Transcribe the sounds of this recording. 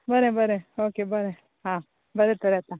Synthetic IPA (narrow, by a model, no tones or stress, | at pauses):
bɐɾebɐɾeoːkebɐɾe | ɦãː | bɐɾet̪oɾɛt̪a